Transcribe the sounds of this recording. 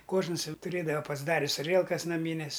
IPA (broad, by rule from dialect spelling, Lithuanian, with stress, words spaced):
ˈkoːʒnɐs ˈjɛʊ tʊˈrʲeːdɐʋɐ pɐzˈdɑːrʲɪs ɐˈrʲiɛlˠkɐs nɐˈmʲiːnʲeːs